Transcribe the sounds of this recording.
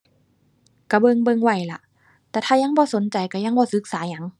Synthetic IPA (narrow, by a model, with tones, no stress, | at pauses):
ka˧˩bɤ˧ŋbɤ˧ŋwa˧˩jla˧ʔ | t̪ɛː˧˩t̪ʰaː˧˩ja˧˥ŋbɔː˧˦so˨˦nt͡ɕa˨˩jka˧˩ja˧˩ŋbɔː˧˦sɯ˨˧˦k̚saː˨˦ɲa˧˩˦ŋ